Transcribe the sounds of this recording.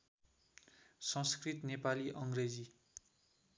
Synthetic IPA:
sʌ̃skrit̪nepaliʔʌŋɡred͡zi

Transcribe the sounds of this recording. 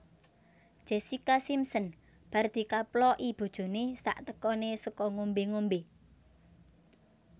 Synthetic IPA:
d̥ʒ̥esikasimsən | b̥a̤rd̪̥i̤kaplɔʔib̥o̤d̥ʒ̥o̤nesa̰ʔt̪əkɔnesəkɔŋombeŋombe

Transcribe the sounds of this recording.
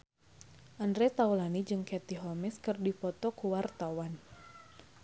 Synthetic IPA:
ʔandɾɛt̪aulanid͡ʒɨŋkɛt̪iɦɔmɛskɨrdipɔt̪ɔkuwart̪awan

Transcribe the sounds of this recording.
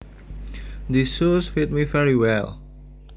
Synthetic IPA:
disusfit̚mivɛɹiwɛl

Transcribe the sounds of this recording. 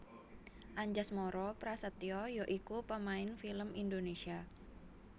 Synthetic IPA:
ʔaɲd͡ʒasmɔɾɔpɾasət̪iɔjoʔikupəmaɪnfiləmindonesia

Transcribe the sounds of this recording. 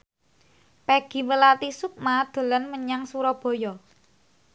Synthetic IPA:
peɡ̥i̤wəlat̪isuk̚mad̪̥ə̤lənməɲaŋsuɾɔb̥ɔ̤jɔ

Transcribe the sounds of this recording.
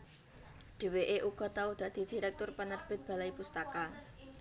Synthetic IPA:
ɖ̪̥e̤weʔeʔuɡ̥ɔ̤t̪aud̪̥ä̤d̪̥i̤d̪̥i̤ɾɛk̚t̪ʊrpənərb̥ɪt̪̚b̥a̤laipust̪aka

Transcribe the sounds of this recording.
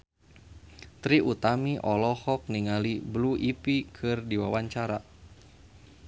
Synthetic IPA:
t̪ɾiʔut̪amiʔɔlɔhɔk̚niŋalibluʔipikʰɨrdiwawaɲt͡ʃaɾa

